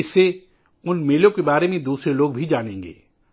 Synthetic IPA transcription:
ɪse | ʊnmeːlõkebaːɾemẽd̪uːsɾeloːɡ̚bʱid͡ʒaːñẽːŋɡḛː

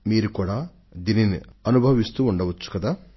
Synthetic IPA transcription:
miːɾukuːɽa | d̪ininiɐnubʱɐʋist̪uuɳɖɐʋɐt͡ʃːu̥kɐd̪aː

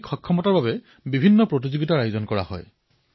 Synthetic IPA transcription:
kxɔkʰːɔmɔtaɹbabɛ | bibʱinːɔpɹot̬izoɡitaɹajzɔnkɔɹa̰hɔ̰j

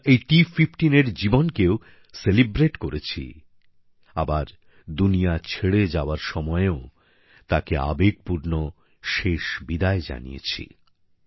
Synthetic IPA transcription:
ejʈifʰifʈineɾd͡ʑibonkeo | selibɾeʈkoɾet͡ɕʰḭ | abaɾ | d̪unijat͡ɕʰeɽed͡ʑaoaɾʃɔmɔeo | t̪akea̰bek̚puɾno | ʃeʃbid̪aed͡ʑa̰nḭjḛt͡ɕʰḭ

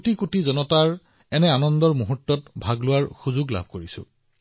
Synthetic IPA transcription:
kotikutizɔnɔtaɹ | ɛnɛanɔndɔɹmuɦutːɔtbʱaɡlʊwaɹxuzuɡla̰bʱkoɹisʊ̰

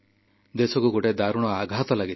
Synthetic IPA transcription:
d̪esɔkuɡoʈed̪aɾuɽ̃ɔaɡʱat̪ɔlaɡi

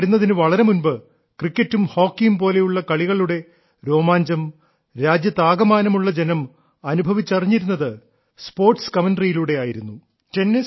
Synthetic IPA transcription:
ɽunːɐðinɨʋɐɭɐɾe̞munbɨ | krikʲːɐtːumho̞ːkːijumpo̞ːle̞juɭːɐkɐɭiɣɐɭuɽe̞ | ɾo̞ːmaːɲd͡ʑɐm | ɾaːd͡ʑjɐt̪aːɡɐmaːnɐmuɭːɐd͡ʑe̞nɐm | ɐnubʱɐʋit͡ɕːɐriɲːiɾun̪ːɐðɨ | spo̞ːrʈskɐmɐnɖrijiluɽe̞aːjiɾunːu | tenːis

